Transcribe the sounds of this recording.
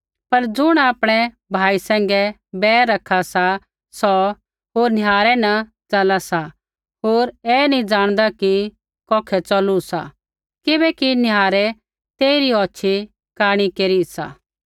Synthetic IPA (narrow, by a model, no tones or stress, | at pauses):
pɐɾd͡zʊɽ̃aːpɽ̃ɛ | bʱaːisɛ̃ːŋɡɛ | bɛːɐkʰːasa | sɔ | ɦoːɾnɪɦaːɾɛnɐ | t͡ʃɐlasa | ɦoːɾɛːnĩd͡ʒãːɽ̃d̪aki | kɔːkʰɛt͡ʃɐlusa̰ | kɪbɛkinɪjaːɾɛ | t̪eːiɾiɔːt͡ʃʰi | kaːɽ̃ikeːɾisa̰ː